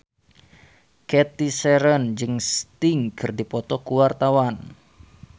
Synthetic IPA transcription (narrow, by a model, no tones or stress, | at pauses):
kɛt̪isɛɾənd͡ʒɨŋst̪iŋkʰɨrdipɔt̪ɔkuwart̪awan